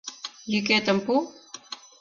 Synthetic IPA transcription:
jiket̪ɐmpu

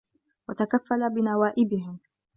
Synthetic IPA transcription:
wat̪akafːalabɪnawaːʔɪbɪɦɪm

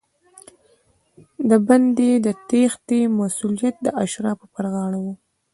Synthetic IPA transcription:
d̪əband̪ed̪ət̪ext̪emasulijat̪̚d̪əʔaʃɾɑpəpəɾɣɑɽawu

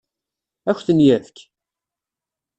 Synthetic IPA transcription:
æçθənjæðk

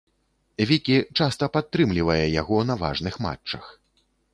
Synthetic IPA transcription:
vʲikʲit͡ʂast̪ɐpat̪ːɾɨmlʲivɐjɛjaɣɔnɐva̰ʐnɨxma̰t͡ʂːɐx

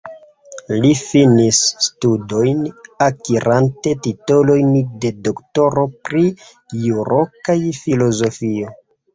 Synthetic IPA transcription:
lifinisːtudo̞jnakiɾʔante̞titolo̞jnde̞do̞kto̞ɾo̞pɾi | juɾokajfilo̞zo̞fio̞

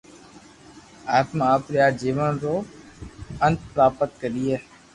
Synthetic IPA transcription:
aːt̪maːpɾjaːd͡ʒiːʋənɾoː | ənt̪̚pɾaːpət̪̚kəɗiːɛː

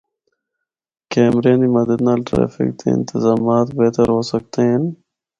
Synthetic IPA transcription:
keːmɾeːnd̪iːməd̪əd̪naːlʈɾḛːfɪ̰k̚t̪ḛɪ̰nt̪ɪzaːmaːt̪beːt̪əɾɦoːsək̚t̪en

